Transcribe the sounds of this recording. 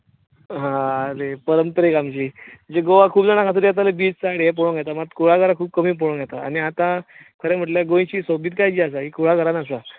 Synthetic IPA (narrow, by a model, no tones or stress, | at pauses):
ɦãɾepəɾəmpəɾekamt͡ɕiːd͡ʑeɡoʋakʰuːpd͡zañakãt̪uɾiat̪̬alebiːst͡saɽɦep̬oɽ̃õŋɡɛt̪amat̪kʰuɭaɡʱəɾãkʰuːb̚kəmiːp̬oɽõŋɡʱɛt̪aaɽ̃iat̪ãkʰəɾem̤əʈljaɡõj̃t͡ɕiːsobiːt̪kajd͡ʑias̬aɦikʰuɭaɡʱəɾanasa